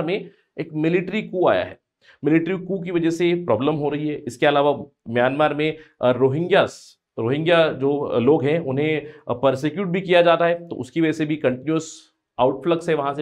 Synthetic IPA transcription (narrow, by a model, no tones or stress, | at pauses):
ɾmẽ | eːkmɪlɪʈɾikua̰ːja̰ɦɛ̰ː | mɪlɪʈɾikuk̬iʋɐd͡ʒɛsepɾɔːbləmɦoɾɐɦiɦɛːʔɪskeɐlaːʋa | mjaːnmaːɾmẽɾoːɦɪ̃ŋɡjas | ɾoːɦɪ̃ŋɡjad͡ʒoːloːɡɦɛ̃ʊnɦẽpɐɾsekjuːʈ̚bʱikijad͡ʒaːt̪aɦɛt̪o̰ʔʊskiʋɐd͡ʒɛsebʱikɐ̃ɳʈɪnjuəs | aːʊʈfləksɦɛʋɐɦãse